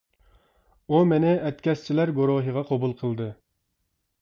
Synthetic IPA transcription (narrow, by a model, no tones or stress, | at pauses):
umɪnɪʔɛt̪kʲɛst͡ʃʰilæɾɡoɾoɦəʁɑqʰɑbulˠqʰəlˠd̪ɨ